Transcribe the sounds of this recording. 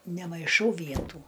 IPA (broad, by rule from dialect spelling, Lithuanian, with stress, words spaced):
nʲɛmɐɪˈʃɐʊ ˈʋʲiɛtuː